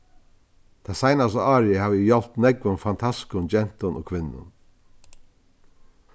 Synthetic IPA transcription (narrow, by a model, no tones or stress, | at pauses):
t̪ʰasajnast̪aaːɾɪhaːvɪjɔlt̪nɛkʋʊnfant̪ʰaskʊnd͡ʒɛn̥t̪ʊno̰ːkʰʋɪnːʊ̰n